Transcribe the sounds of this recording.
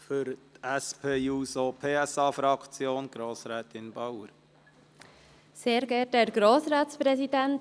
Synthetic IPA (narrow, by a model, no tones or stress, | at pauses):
fʏɾt̪ɛspʰeːuːsopʰeːɛsɑːfɾɑkʰt͡sjoːnɡ̥ɾoːsɾɛːt̪ɪnbɑwəɾ | seːɾɡɛtɛːɾɡ̥ɾoːsɾɑːtspɾɛsid̪ɛnt